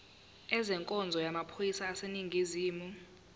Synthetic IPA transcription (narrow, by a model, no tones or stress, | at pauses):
ɛzɛŋkʼɔnd͡zʱɔjamapʰojisaːseniŋɡʱiziːmu